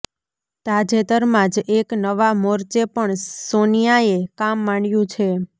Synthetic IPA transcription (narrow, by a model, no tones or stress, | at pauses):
t̪ad͡ʒet̪əɾmãd͡ʒeknəʋamoɾt͡ʃepəɳsonijaekamːaɳjũt͡ʃʰe